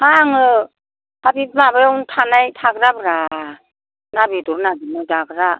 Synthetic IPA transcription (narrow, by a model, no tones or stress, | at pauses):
haŋɯ | abibmabajɔwntʰanajtʰaɡɾabɾa | nabidɔɾnaɡinajdaɡɯɾa